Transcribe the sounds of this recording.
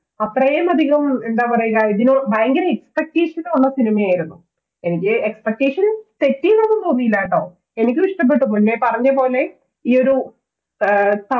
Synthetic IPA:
ɐt̪rɐjeːmɐd̪ʱiɣɐmeɳɖaːpɐrɐjiɣaiðinobaːŋɡineekspek̚ʈeːʂɐnunːɐsinimɐjaːjiɾunːu | e̞nikʲːɨekspek̚ʈeːʂɐnt̪e̞tːijinɐnːup̪oːb̪ijilːaːjʈːoː | e̞nikʲːɨʋiʂʈɐmp̬ːe̞ʈːupuɳlepɐrɐɲːɐpo̞ːle̞ | iːo̞ɾu | t̪ɐ

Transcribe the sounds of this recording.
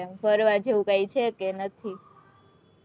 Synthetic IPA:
ɛmfəɾʋad͡ʒeũkajt͡ʃʰekenət̪ʰi

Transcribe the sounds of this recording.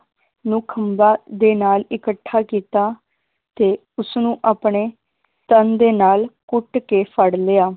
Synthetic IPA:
nũːkʰəmbaːd̪eːnaːlɪkəʈʰːaːkiːt̪aː | t̪eː | ʊsnũːʔaːpɳeː | t̪ənd̪eːnaːlkʊʈkeːpʰəɽleːaː

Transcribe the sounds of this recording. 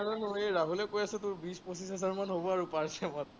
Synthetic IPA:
aɹɔnoeɹaɦulɛkojasɛtʊɹbispɔsis̬ɦɛzaɹmanɦobɔaɹupaɹsɛmat

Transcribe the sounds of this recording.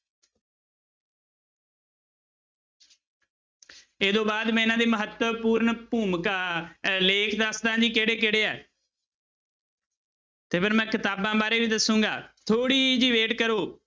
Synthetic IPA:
eːd̪õːbaːd̪mɛ̃ːɪnãːd̪eːməɦət̪puːɾnpuːmkaːleːkʰd̪əsd̪ãːd͡ʒiːkeːɽeːkeːɽeːɛ̰ː | t̪eːpʰɪɾmɛ̃ːkɪt̪aːbãːbaːɾeːʋiːd̪əsũːŋɡa̰ːt̪ʰoːɽiːd͡ʒiːʋeːʈkəɾoː

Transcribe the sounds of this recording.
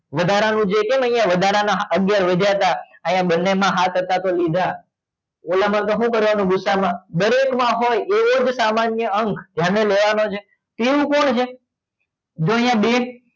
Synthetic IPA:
ʋəd̪ʱaɾanũd͡ʒekeməijãʋəd̪ʱaɾanaɦəɡjaɾʋed͡ʒ̪ʱjat̪aəjãbənːemãɦat̪ət̪at̪olid̪ʱa | olamə̃nt̪oɦũkəɾʋanũɡʊsːamãd̪əɾekmãɦojeʋod͡ʒsamanjəəŋkʰd̪ʱjaneleʋanot͡ʃʰe | t̪eʋũkoɳt͡ʃʰe | d͡ʒoəjãɓe

